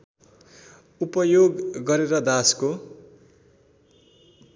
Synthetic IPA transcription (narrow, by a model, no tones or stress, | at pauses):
upʌjoɡːʌɾeɾʌd̪asko